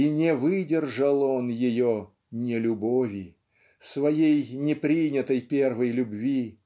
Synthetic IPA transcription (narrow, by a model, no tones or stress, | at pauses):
inʲɪvɨdʲɪrʐəlˠonjɪjo | nʲɪlʲʊbovʲɪ | svɐjejnʲɪpɾʲinʲɪt̪əjpʲervəjlʲʊbvʲi